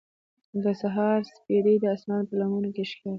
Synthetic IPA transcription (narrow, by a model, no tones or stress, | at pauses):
d̪əsaɦɑɾspeɾed̪əasmɑnpəlamunokeʃkɑ